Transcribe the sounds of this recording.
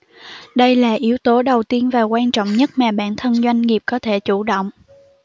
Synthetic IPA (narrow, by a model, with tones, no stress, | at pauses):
ɗə˧jlaː˨˩ʔi˨˦əwt̪o˨˦ɗə˨˩wt̪i˧ənvaː˨˩kwaː˧nt͡ɕɔ̰˧˨wŋ͡mɲə˦˥t̚maː˨˩ɓa̰ː˧˥nt̪ʰə˧nzwa˧jŋ̟ŋi˨˩p̚kɔ˨˦t̪ʰe˧˩t͡ɕu˧˩ɗo̰˧˨wŋ͡m